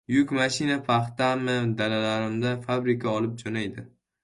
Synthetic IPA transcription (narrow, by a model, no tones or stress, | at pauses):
jʊkʲmaʃɪnapʰaχt̪amɪd̪alalaɾɪmd̪afabɾɪkʲʰaɒlˠɪp̚d͡ʒonajd̪ɪ